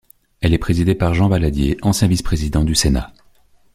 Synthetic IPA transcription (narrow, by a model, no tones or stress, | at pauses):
ɛlɛpχezid̪epaʁʒɑ̃valad̪jḛʔɑ̃sjɛ̃vispχezid̪ɑ̃d̪ysena̰